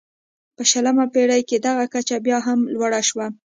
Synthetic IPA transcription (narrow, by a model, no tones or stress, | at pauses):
pəʃaləmapeɽajked̪aɣakat͡ʃabjɑɦamlwaɽaʃwa